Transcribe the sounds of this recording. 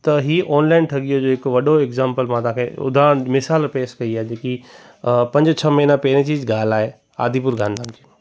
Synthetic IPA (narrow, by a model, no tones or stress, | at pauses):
t̪ɐɦiːʔɔːnlaːɪnʈʰɐɠijod͡ʑoːɪkʋɐɗoekzãːmpəlmãt̪ãːkʰeʊ̰d̪ʱãmɪsaːlpeːskɐiaːɦed͡ʑeːki | pɐ̃ɲd͡ʑt͡ɕʰɐmɐːnãpeːɾẽt͡ɕiːzɡaːlaːɦe | a̰ːd̪ʱip̬ʊɾɡʱãːnd̪ʱãːnd͡ʑiː